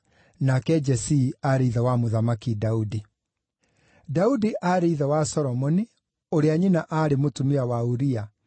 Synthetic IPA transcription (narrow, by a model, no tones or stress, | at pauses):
nakɛd͡ʒɛsiaɾeiðawamoðamakidaudi | daudiʔaːɾeiðɛwasɔɾɔmɔni | oɾeaɲinaʔaːɾemotumeawauɾia